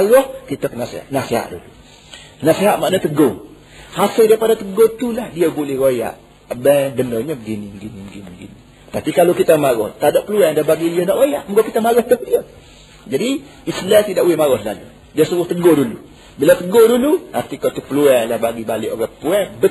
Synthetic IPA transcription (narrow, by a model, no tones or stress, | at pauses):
aɣɔhkit̪əkənasea̰ʔnaseɦa̰ʔdṵlu | naseɦaʔ̪maʔnət̪əɡo | hasɪldaipadat̪əɡot̪ulahdiəbolɪhɣoja̰ʔ | bɛbənoɲəbəɡiniməɡinibəɡiniməɡḭni | t̪apikalowkit̪əmaɣɔht̪adoʔpəluɛdabaɡiliənɔʔɣojaʔməɡokit̪əmaɣɔhd̪ɔhdiə | d͡ʒadi | islat̪idaʔuwɪhmaɣɔsla̰lṵ | diəsəɣʊht̪əɡodulu | bilat̪əɡodulua̰rt̪ikɔt̪upəluɛlahbaɡibalɪʔoɾapuɛbə